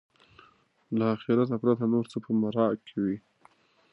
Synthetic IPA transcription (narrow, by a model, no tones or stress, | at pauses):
laːxeɾat̪apɾat̪anoɾt͡səpəmaɾɑkʰewi